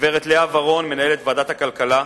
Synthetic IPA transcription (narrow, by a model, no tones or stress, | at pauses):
veʁet̪leavaʁo̞nmenae̞let̪vaːd̪at̪hakalkala